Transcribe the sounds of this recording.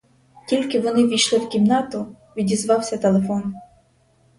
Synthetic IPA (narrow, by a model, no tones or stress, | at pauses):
tʲilʲkɪʋɔnɪʋʲijʃlˠɪwkʲimnɑt̪ʊ | ʋʲidʲizʋɑwsʲɐt̪elˠefɔn